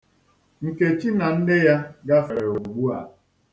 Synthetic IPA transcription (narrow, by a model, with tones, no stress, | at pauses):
ŋ̩˨ke˨t͡ʃi˦na˨n̩˦dɪ˦ja˦ɡa˦fa˨ɾe˨o˨u˨ɡ͡bu˦a̰˨